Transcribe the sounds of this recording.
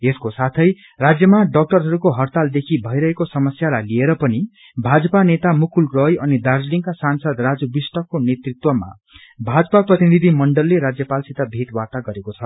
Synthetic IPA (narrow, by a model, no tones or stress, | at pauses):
eskosat̪ʰʌj | rad͡zjʌmaɖʌk̚ʈʌrɦʌɾukoɦʌrt̪ald̪ekʰibʱʌjɾʌɦekosʌmʌsjalajlieɾʌpʌni | bʱad͡zʌpanet̪amukʰulrʌjʌnid̪ard͡zliŋkasansʌd̪rad͡zubisʈʌkːonet̪rit̪wʌma̰ | bʱad͡zʌpaprʌt̪inid̪ʱimʌɳɖʌlːeɾad͡zjʌpalsit̪abʱiʈwat̪aɡʌɾekot͡sʰʌ